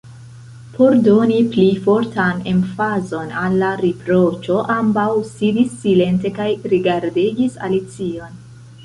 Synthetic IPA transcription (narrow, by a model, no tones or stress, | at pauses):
pʰo̞ɾdoniplifo̞ɾtanḛnfazo̞nalːaɾipɾo̞t͡ʃo̞ʔambawsidisːile̞nte̞kajɾiɡaɾdiɡisa̰lit͡sio̞n